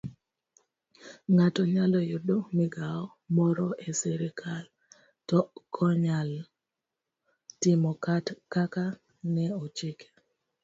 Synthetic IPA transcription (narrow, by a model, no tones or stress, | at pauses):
ŋatɔɲalɔjʊdomiɡaɔ | mɔɾɔeseɾikʰal | tɔkʰɔɲal | tɪmɔkatkaka | nɛot͡ʃɪke̥